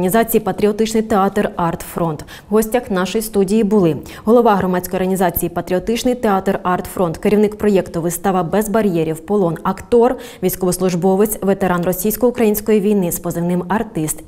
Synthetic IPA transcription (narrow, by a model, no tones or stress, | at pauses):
nʲizɑt͡sʲijipɐt̪ɾʲiɔt̪ɪt͡ʃnɪjt̪eɑt̪rɑrt̪fɾɔnt̪ | wɦɔsʲtʲɐxnɑʃɔjist̪udʲijibʊlˠɪ | ɦɔlˠɔʋɑɦɾɔmɑt͡sʲkɔjɔɾɦɐnʲizɑt͡sʲijipɐt̪ɾʲiɔt̪ɪt͡ʃnɪjt̪eɑt̪rɑrt̪fɾɔnt̪keɾʲiwnɪkpɾɔjɛkt̪ʊʋɪst̪ɑʋɐbɛzbɐɾʲjɛɾʲiwpɔlˠɔnɐkt̪ɔrʋʲijsʲkɔʋɔslˠʊʒbɔʋɪt͡sʲʋet̪eɾɑnrɔsʲijsʲkɔʊkɾɐjinʲsʲkɔjiʋʲijnɪspɔzɪwnɪmɐrt̪ɪst̪